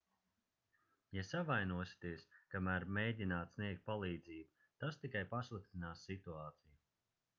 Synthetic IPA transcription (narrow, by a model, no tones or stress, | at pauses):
jasavajnuɔsi̥t̪iəskamæːɾmejd̪ʲinaːt̪sniɛk̚t̪̚palˠiːd̪ziːbu | t̪ast̪ikajpaslˠɨk̚t̪inaːsːit̪uaːt̪siju